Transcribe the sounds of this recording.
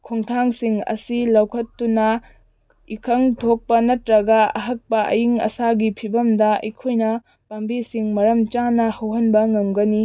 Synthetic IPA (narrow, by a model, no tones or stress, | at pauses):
kʰoŋtʰaŋsiŋɐ̰silɐwkʰɐtːunɐ | ikʰɐŋtʰok̚pɐnɐtɾɐɡɐɐ̰ɦɐk̚pɐʔɐ̰jiŋɐ̰saɡipʰibɐmdɐɐ̰jkʰojnɐ | pambisiŋmɐɾɐmt͡ʃanɐhɐwɦɐnbɐŋɐmɡɐni